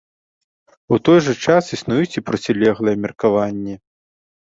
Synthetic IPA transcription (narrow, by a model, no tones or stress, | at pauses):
ut̪ɔjʐɐt͡ʂasisnujut͡sʲipɾɐt͡sʲilʲɛɣlˠɐjɛmʲɛrkavanʲːɛ